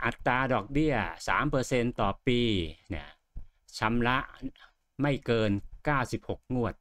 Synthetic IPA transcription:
ʔa˨˩t̪ːaː˧dɔː˨˩k̚bi˥˩ɐsa̰ː˩˦mpɤː˧se˧nt̪ɔː˨˩piː˧na˧˩ | t͡ɕʰa˧˥mɾa˦˥ʔ | ma˥˩jkɤː˧nkaː˥˩wsi˨˩p̚ho˨˩k̚ŋu˥˩ət̪̚

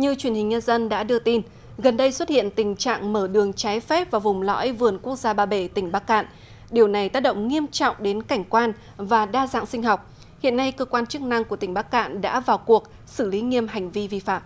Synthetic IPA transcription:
ɲɨ˧t͡ɕwi˧˩ənhï˨˩ŋ̟ɲə˧nzə˧nɗa̰ː˧˥ɗɨ˧ət̪i˧n | ɣə˨˩nɗə˧jswə˦˥t̚hḭ˧˨ənt̪ï˨˩ŋ̟t͡ɕa̰ː˧˨ŋməː˧˩ɗɨ˨˩əŋt͡ɕaː˨˦jfɛ˦˥p̚vaː˨˩wvʊ˨˩ŋ͡mlɔ̰˧˥jvɨ˨˩ənku˦˥ək̚zaː˧ɓaː˧˩ɓe˧˩t̪ï˧˩ŋ̟ɓaː˦˥kːa̰ː˧˨n | ɗi˨˩əwna˨˩jt̪aː˦˥k̚ɗə̰˧˨wŋ͡mŋi˧əmt͡ɕɔ̰˧˨wŋ͡mɗe˨˦nka˧˩jŋ̟kwaː˧n | vaː˨˩ɗaː˧za̰ː˧˨ŋsï˧ŋ̟ɦɔ˨˩wk͡p̚ | hḭ˧˨ənːa˧jkəː˧kwaː˧nt͡ɕɨ˦˥k̚na˧ŋku˧˩ət̪ï˧˩ŋ̟ɓaː˦˥kːa̰ː˧˨nɗa̰ː˧˥vaː˨˩wku˨˩ək̚ | sɨ˧˩li˨˦ŋi˧əmɦa˨˩jŋ̟vi˧vi˧fa̰ː˧˨mʔ

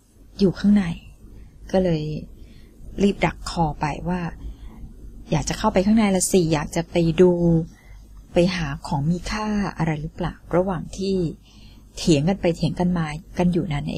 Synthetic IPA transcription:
juː˨˩kʰaː˥˩ŋna˧˩jkɔː˥˩lɤː˧j | ɾiː˥˩p̚da˨˩kʰːɔː˧pa˧jwaː˥˩ | jaː˨˩k̚t͡ɕa˨˩kʰa˥˩wpa˧jkʰaː˥˩ŋna˧˥˩jlɛ˦˥siː˨˩jaː˨˩k̚t͡ɕa˨˩pa˧jduː˧ | pa˧jɦaː˩˦kʰɔː˩˦ŋmiː˧kʰaː˥˩ʔa̰˧ɾa˧jɾɯː˦˥pla̰ː˨˩wɾa˧waː˨˩ŋt̪ʰiː˥˩ | t̪ʰi˨˩˦əŋka˧npa˧jt̪ʰiː˨˩˦əŋka˧nmaː˧ka˧njuː˨˩na˦˥nʔḛː˧

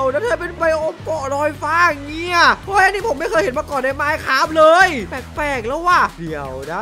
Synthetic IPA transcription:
wna˦˥t̪ʰɤː˧pe˧npa˧jʔo˧mkɔ˨˩ɾɔː˧jfaː˧˥˩ŋi˧˥˩ɐʔoː˦˥˩jʔa˧ni˦˥pʰo˩˦mːa˥˩jkɤː˧jhe˨˦maː˧kɔː˨˩nda˧˥˩jmaː˦˥˩jkʰaː˦˥˩p̚lɤː˧jpɛː˨˩k̚pɛː˨˩k̚lɛ˧˦˥waː˧˥˩di˨˦əwna˦˥

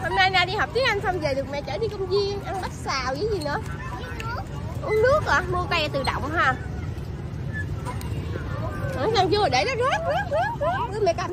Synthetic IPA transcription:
ho˧mnaː˧jnaː˧˨ɗi˧hɔ˨˩p̚t̪i˦˥k̚ʔa˧jŋ̟sa˧wŋ͡mve˨˩ɗɨ˨˩kmɛ̰˧˨t͡ɕəː˧˩ɗi˧kə˧wŋ͡mzi˧ənʔa˧nɓa˦˥t̚saː˨˩wzəː˨˦jzi˨˩nɨ̰˧˥ə | ʔu˧˦nɗɨ˦˥ək̚aː˧˨˩mu˧əka˧jt̪ɨ˨˩ɗɔ̰˧˨wŋ͡mɦaː˨˩ | ʔɨ˨˦za˧˩ŋzu˧˩˨ɗe˧˩ɗɔ˨˦˥zaː˦˥t̚i˦˥t̚ːt̚ːɗɨ˨˧˦mɛ̰˧˨kaː˧˩m

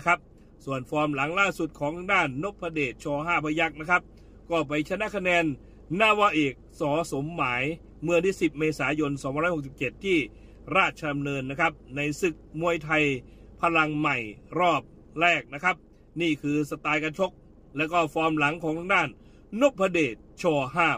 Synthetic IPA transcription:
kʰa˦˥p̚ | su˨˩ənfɔː˧mla˩˦ŋlaː˥˩su˨˩t̪̚kʰɔː˨˦ŋt̪ʰa˧ŋdaː˥˩nːo˦˥p̚ʰːa˧deː˨˩t̪̚t͡ɕʰɔː˧ɦaː˥˩pʰa˧ja˦˥˩k̚na˦˥kʰa˦˥p̚ | kɔː˥˩p̬a˧jt͡ɕʰa˧na˦˥˩kʰa˧nɛː˧nː | aː˧˩waː˧˥ʔeː˨˩k̚sɔː˩˦so˩˦mːaː˩˦j | mɯ˥˩ət̪ʰiː˥˩si˨˩p̚meː˧saː˩˦jo˧nsɔː˨˦pʰa˧ɾːks̬i˨˩p̚t͡ɕe˨˩t̪ʰːiː˥˩ | ɾaː˥˩t̪̚t͡ɕʰa˧t̪a˧mnɤː˧nːa˦˥˩kʰa˦˥p̚na˧jsɯ˨˩k̚mu˧əjt̪ʰa˧j | pʰa˧la˧ŋma˨˩jɾɔː˥˩p̚ | ɾɛː˥˩k̚na˦˥kʰa˦˥p̚ | niː˥˩kʰɯː˧sa˧t̪aː˧jka˧t͡ɕʰo˦˥k̚ | lɛː˦˥˩kɔː˥˩fɔː˧mla˩˦ŋkʰɔː˨˦ŋt̪ʰa˧ŋdaː˥˩nː | o˦˥p̚ʰːa˧deː˨˩t̪̚t͡ɕʰɔː˧ɦaː˥˩

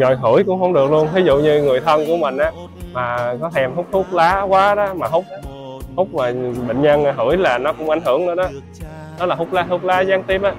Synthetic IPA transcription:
ɣɔ˨˩jɦɨ˧˩əjkʊ̰˧˥ŋ͡mhə˧wŋ͡mɗɨ˨˩ək̚lu˧ənvi˨˦zṵ˧˨ɲɨ˧ŋɨ˨˩əjt̪ʰə˧nku˧˩əmï˨˩ŋ̟ʔaː˨˦ | maː˨˩kɔ˨˦t̪ʰɛ˧mhʊ˦˥k͡p̚hʊ˦˥k͡p̚laː˨˦kwaː˨˦ɗɔ˨˦maː˨˩ɦʊ˦˥k͡p̚ | hʊ˦˥k͡p̚maː˨˩ɓḛ˧˨ŋɲə˧n˨˩ɦɨ˧˩əjlaː˨˩nɔ˨˦kʊ̰˧˥ŋ͡mʔa˧˩jŋ̟ɦɨ˧˩˨əŋnɨ̰˧əɗɔ˨˦ | ɗɔ˨˦laː˨˩fʊ˦˥k͡p̚laː˨˦t̪ʊ˦˥k͡p̚laː˨˦zaː˨˦ŋt̪i˦˥p̚ʔaː˨˦

